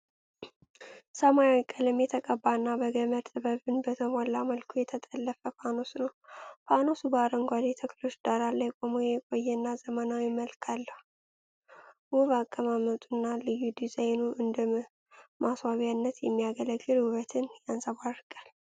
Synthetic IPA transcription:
səmawikʼːəlɨmjɛt̪ʰəkʼəbːanːabəɡəməɾt̪ʼɨbəβɨnbət̪ʰəmalːaməlkʰujɛt̪ʰət̪ʼəlːəfəpano̞snəwpano̞subəaɾəŋɡʷad̪et̪ʰəklo̞t͡ʃːd̪̥aɾalːajkʼomojɛkʼo̞jːɛnːazəmənawɪməlkʰalːəhu | wuβakʼːəmamət̪ʼunːalɨjːud̪izajnuʔɨnd̪ɨ | maswaβijanːət̪jɛmːijaɡələɡːɨlwuβət̪ʰɨnjansaβaɾɨkʼal

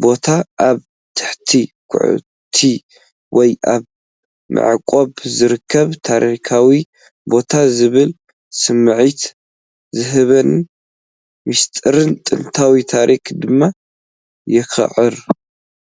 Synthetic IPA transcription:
bo̞t̪ʰaʔːβ | t̪ʰɨ̥ħt̪ʰi | kʰʊ̰ʕ̰ | t̪ʰi | wɔjʔaβ | mʔɨ̰ʕkʼo̞βzɨɾɨkʰːɐβt̪ʰaɾikʰawi | bo̞t̪ʰazɨβɨl | sɨmːɨʕit̪ | zɨɦɨβɐn | mist̪ʼɨɾɨnt̪ʼɨnt̪ʰawit̪ʰaɾʔikʰd̪ɨmːa | jɪxɨ̰ʕɨɾ

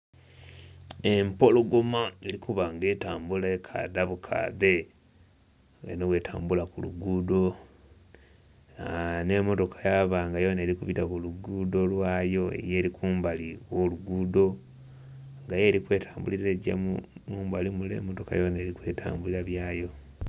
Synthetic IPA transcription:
empo̞loɡo̞maeɾikuβaŋɡe̞ːtaːmbulaekʰa̰daβukʰa̰ðe̞ | ḛnowe̞ːtʰaːmbulakulṵɡudo̞ | ane̞mo̞to̞kʰḁjaβaŋɡajo̞neːɾikuβitaβuluɡudo̞lwaːjo̞ḛje̞ːɾikuːmbalioluɡuːdo̞ | ŋɡaje̞ːɾikwe̞ːtʰḁːmbuliɾeɟa̰mumuːmbalimulḛmoto̞ka̰joneːɾikwe̞ːta̰ːmbuliɾaβjaːjo̞

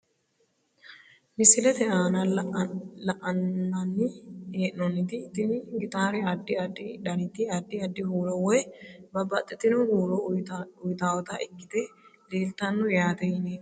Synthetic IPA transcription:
mɪsɪlɛt̪ɛʔaːnɐ | lɐʔɐnːɐnːɪeːʔnɔnːɪt̪ɪt̪ɪnɡɪt̪ʼaːɾɛɐd̪ːɪɐd̪ɪᶑɐnɪt̪ɪɐd̪ːɪɐd̪ːɪhuːlɔwɔjbɐbɐt̪ʼːɛt̪ːɪnʊhuːlɔʊjt̪aːwɔt̪ɐʔɪɡːɪt̪ɛleːlt̪ɐnːɔjaːt̪ɛjne

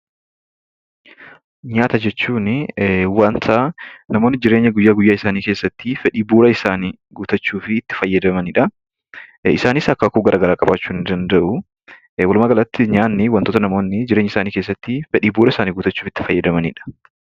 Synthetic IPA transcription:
ɲaːt̪ɐd͡ʒɛt͡ʃːuːnwɐnt̪ʰanɐmoːnːɪd͡ʒɪɾe̞ːɲːɐɡʊjːaːɡʊjːaːɪsaːniːke̞ːsːɐt̪ːɪfɛᶑiːbuːɾɐɪsaːni | ɡʊt̪ɐt͡ʃːuːfɪːt̪ːɪ̥fɐjːɐd̪ɐmɐnɪᶑɐ | ɪsaːnɪsɐkːɐkuːɡɐɾʔaːɡɐɾaːkʼɐbaːt͡ʃːuːnɪnd̪ɐnd̪ɐʔʊ | wɐlmɐaːɡɐlɐt̪ːɪɲaːnːɪwɐnt̪oːt̪ɐnɐmo̞ːnːɪd͡ʒɪɾe̞ːɲːɐɪsaːniːke̞ːs̬ːɐt̪ːɪfɛᶑiːbuːɾɐɪsaːniːɡʊːt̪ɐt͡ʃːuːfɪt̪ːɪ̥fɐjːɐd̪ɐmɐniᶑɐ̥

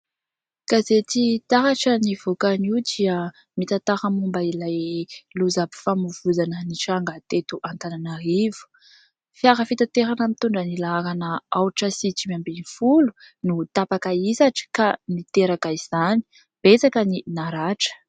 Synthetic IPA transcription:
kazet͡sit̪aɦaʈ͡ʂənivokaniud̪iə | mit̪at̪aɾamumbailajluzabi̥famuvuzanəniʈ͡ʂaŋɡat̪et̪uʔant̪ananaɾivu̥ | fjaɾəfit̪at̪eɾanəmit̪uɳɖ͡ʐənilaaɾanəawʈ͡ʂəsit͡ʃimambinifulu̥ | nut̪apakaisaʈ͡ʂi̥kanit̪eɾakaiz̥ani̥ | b̥et͡sakəninaɾaʈ͡ʂə̥

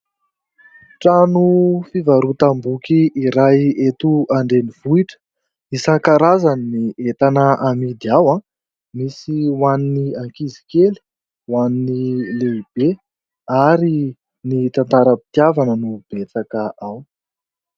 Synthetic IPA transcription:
ʈ͡ʂanufivaɾut̪ambukiːɾajet̪uaɳɖ͡ʐeniv̥uiʈ͡ʂə̥ | isakaɾazanniet̪anəʔamid̪iawã | misiwaniniaŋkizi̥keli̥ | waninileib̥e | aɾi | nit̪ant̪aɾəpi̥t̪iavanənub̥et͡sakəʔaw

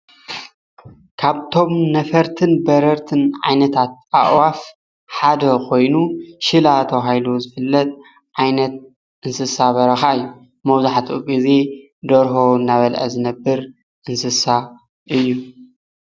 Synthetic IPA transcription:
kʰaβt̪ʰo̞mnɐfɐɾt̪ʰɨnbɐɾɐɾt̪ʰɨnʕa̰jnɐt̪ʰat̪̚ʔa̰ʔwaf | ħad̪ɐkʰo̞jnuʃɨlat̪ʰɐwɦajlozɨfɨlːɐt̪ʼ | ʕajnɐt̪̚ | ʔɨnsɨsaβɐɾɐxaɨjːu | mɐwzaħat̪ʰuɡize̞ | d̪ɐɾɦowɨnːaβɐlʔɐ̰zɨnɐbːɨɾ | ʔɨnsɨsa | ʔɨjːu

